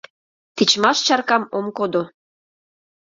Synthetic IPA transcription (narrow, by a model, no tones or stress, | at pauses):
t̪it͡ɕmɑʃt͡ɕɑrkɑmomkod̪o